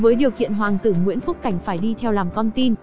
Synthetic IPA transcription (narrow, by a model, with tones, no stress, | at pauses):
vəː˨˦jɗi˨˩əwkḭ˧˨ənɦwaː˨˩ŋt̪ɨ˧˩ŋwḭ˧˥ənfʊ˦˥k͡p̚ka˧˩jŋ̟faː˧˩jɗi˧t̪ʰɛ˧wlaː˨˩mkɔ˧nt̪i˧n